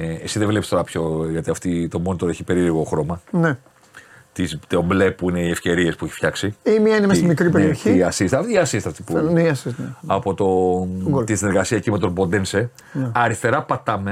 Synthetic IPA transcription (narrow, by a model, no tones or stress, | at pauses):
esiðevlepist̪o̞ɾɐpço̞ʝɐt̪iɐft̪it̪o̞mo̞nit̪o̞ɾeçipe̞ɾiliɣo̞xɾo̞mɐne | t̪izt̪omble̞puine̞iefce̞ɾie̞spueçi̥fçɐksiimiɐinemɐssimikɾipeɾioçiɐsist̪ɐft̪iɐsist̪eɐft̪ipuneiɐsisɐpo̞t̪o̞ | t̪isineɾɣɐsiɐecime̞t̪o̞bo̞nd̪ense | nɐɾist̪e̞ɾɐpɐt̪ɐme